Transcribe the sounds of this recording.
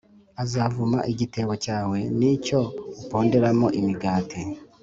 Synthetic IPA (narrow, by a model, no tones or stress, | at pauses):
azavuma̰ʔiɟite̞wocaːwe̞nico̞upo̞ːnde̞ɾamoʔimiɡaːti